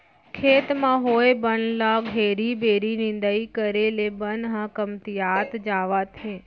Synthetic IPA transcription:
kʰeːt̪mãɦoːebənlaɡɦeːɾibeːɾinɪ̃nd̪əikəɾelebənɦãkəmt̪ijaːt̪d͡ʒaːʋat̪ʰẽː

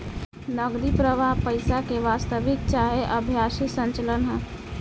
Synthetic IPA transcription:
nəɡɾipɾəʋaɦpəɪsakeʋast̪əʋɪk̚t͡ʃaɦeʔəbʱjasisənt͡ʃələnɦə̃

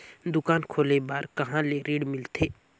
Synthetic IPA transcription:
d̪ʊkaːnkʰoːlebaːɾkɐɦãleɾiːɽmɪlt̪ʰeː

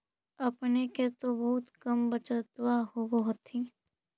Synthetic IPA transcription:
əpneket̪obɔɦʊt̪kəmbət͡ʃət̪waɦoboɦʊt̪ʰiː

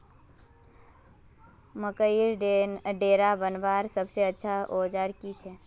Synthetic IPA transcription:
məkəiɾɖɖeɾabənʋaɾsəbseətːʃʰaod͡ʒaɾkit͡ʃʰɛ

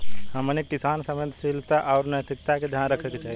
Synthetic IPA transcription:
həmənek̚ʈisansəmə̃d̪ʱsilt̪aʔaʊɾnət̪ʰik̚t̪aked̪ʱjanɾəkʰɛket͡ʃaːɦi

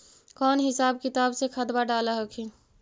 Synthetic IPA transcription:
kɔːnɦɪsaːb̚kit̪aːbsekʰət̪baɖaləɦəkʰi

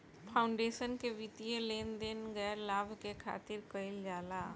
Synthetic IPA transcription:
pʰaːʊɳɖeːʃənkeʋɪt̪ieleːnd̪enɡɛːɾlaːbʱkekʰa̰ːt̪ɪɾkəɪld͡ʒaːlaː

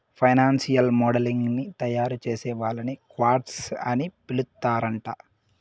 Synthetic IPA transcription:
pʰɐjnaːnsijɐlmɔːɽɐliŋɡnit̪ɐjaːɾut͡ʃeːsɛːʋaːlɐnikʋaːɾʈsɐnipilut̪ːaːɾɐɳʈaː

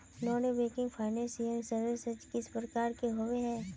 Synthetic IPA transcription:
nɔːnebeːkɪ̃ŋɡpʰaːɪnɛ̃ːnsɪə̃nsɐɾʋɪsəd͡ʒkɪspɾəkaːɾkeɦoweɦɛ̃ː

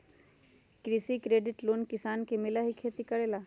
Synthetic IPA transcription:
kɾɪsikɾeːɖɪʈloːnkɪsaːnkemɪlaɦikʰeːt̪ikəɽeːla

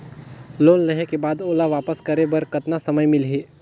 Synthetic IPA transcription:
loːnɾɐɦekebaːd̪oːlaʋaːpəskɐɾebɐɾkɐt̪nasɐməjmɪlɦeː

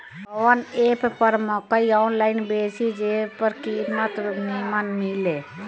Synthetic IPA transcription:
ɔːneːppəɾmɔkəiɔːnlaːɪnbeːsid͡ʒeːpəɾkiːmət̪nimanmileː

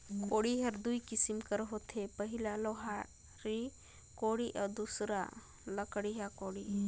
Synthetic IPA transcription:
koɽiɦɐɾd̪uikisimkəɾɦot̪ʰepəɦilaloɦa | ɾi | koɽiʔɔd̪usɾa̰ | ləkɽiɦakoɽi

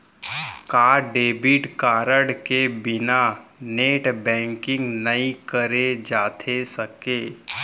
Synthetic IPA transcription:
kaːɖeːbɪʈkaːɾəɽkebɪnaneːʈbɛ̃ːŋkɪ̃ŋɡnɐĩkəɾed͡ʒaːt̪ʰesəkeː

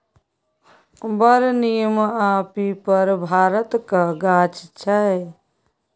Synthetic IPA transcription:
bəɾnijəmapipəɾbʱaɾət̪kəɡat͡ʃt͡ʃʰə

